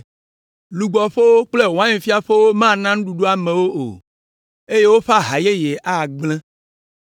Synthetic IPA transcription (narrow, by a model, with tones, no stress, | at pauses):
lu˨ɡ͡bɔ˨ɸe˦wo˦k͡ple˦wã˦ɲẽ˨fi˦a˨ɸe˦wo˦mã˦˨nã˦ŋ̃˦ɖu˨ɖo˦a˨mẽ˨wo˦ʔo̰˨ | e˦je˦wo˦ɸa˦ɦa˨je˦je˨ʔa˦˨ɡ͡blɛ̃˦